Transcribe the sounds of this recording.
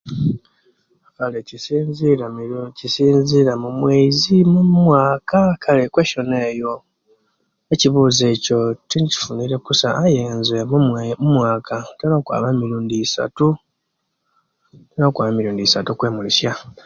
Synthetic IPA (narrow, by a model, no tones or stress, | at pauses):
kale | cisiːnziɾamumweizimumwaːkakʰalekwe̞ːʃo̞ne̞ːjo̞ | eciβuːze̞ːco̞tinci̥funiɾe̞kusaʔajeːnzemmumwaːkʰatalakwa̰ːβamiɾuːndisa̰tu | talakwaːβamiɾuːndisatukwe̞ːmulisja